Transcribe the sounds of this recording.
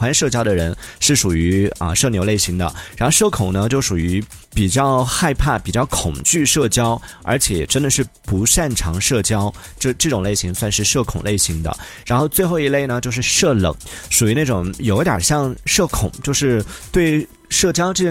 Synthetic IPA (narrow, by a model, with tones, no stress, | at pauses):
wa˧˥nʂɤ˥˩t͡ɕjɑ˥ʊd̪ə˨ɻə˧˥nʂɻ̩˥˩ʂu˨˩y˧˥ə̰˧ʂɤ˥˩njo˧˥le˥˩ɪɕi˧˥ŋd̪ə̰˧ɻa˧˥nxo˥˧ʊʂɤ˥˩kʰʊ˨˩ŋnə˦t͡ɕjo˥˩ʊʂu˨˩y˧˥ | pi˨˩t͡ɕjɑ˥˧ʊxa˥˧ɪpʰa˥˩pi˨˩t͡ɕjɑ˥˩ʊkʰʊ˨˩ŋt͡ɕy˥˧ʂɤ˥˩t͡ɕjɑ˥ʊ | ə̰˞˧˥t͡ɕʰjɛ˨˩ʈ͡ʂə˥nd̪ə˨˧ʂɻ̩˥˩pu˧˥ʂa˥˩nʈ͡ʂʰɑ˧˥ŋʂɤ˥˩t͡ɕjɑ˥ʊ | ʈ͡ʂɤ˥˧ʈ͡ʂɤ˥˩ʈ͡ʂʊ˨˩ŋle˥˩ɪɕi˧˥ŋswa˥˧nʂɻ̩˥˧ʂɤ˥˩kʰʊ˨˩ŋle˥˩ɪɕi˧˥ŋd̪ə̰˧ɻa˧˥nxo˥˧ʊt͡swe˥˧ɪxo˥˧ʊi˧˥le˥˩ɪnə˩t͡ɕjo˥˧ʊʂɻ̩˥˧ʂɤ˥˩lɤ̰˨˩˦ŋʂu˨˩y˧˥na˥˩ʈ͡ʂʊ˨˩˦ŋjo˨˩ʊ˥t̪jɐ̰˨˩ɕjɑ˥˧ŋʂɤ˥˩kʰʊ̰˨˩˦ŋt͡ɕjo˥˧ʊʂɻ̩˥˧t̪we˥˧ɪ | ʂɤ˥˩t͡ɕjɑ˥ʊʈ͡ʂɤ˥˧˩